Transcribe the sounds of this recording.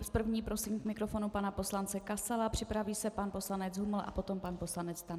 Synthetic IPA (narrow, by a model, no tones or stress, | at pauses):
spr̩vɲiːpɾo̞simkmɪkɾo̞fo̞nupanapo̞slant͡sɛkasalapr̝̥ɪpɾaviːsɛpanpo̞slanɛd͡zɦuml̩ʔa̰po̞t̪o̞mpanpo̞slanɛt͡st̪a